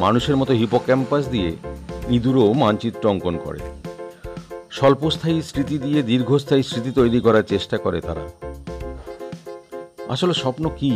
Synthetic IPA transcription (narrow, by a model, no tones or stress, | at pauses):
manuʃeɾmɔt̪oɦipokɛmpas̬d̪ijenid̪uɾomant͡ɕit̪ːɾɔŋkonkɔ̰ɾḛ | ʃɔlpost̪ʰaisɾit̪id̪ied̪iɾɡʱost̪ʰaist̪ɾit̪it̪ojɾikɔɾaɾt͡ɕeʃʈakɔɾet̪a̰ɾa̰ | a̰ʃoleʃɔpnoki